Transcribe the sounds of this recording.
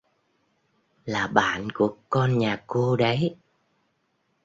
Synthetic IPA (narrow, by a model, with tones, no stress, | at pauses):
laː˨˩ɓa̰ː˧˨nku˧˩əkɔ˧nɲaː˨˩ko˧ɗə˨˦j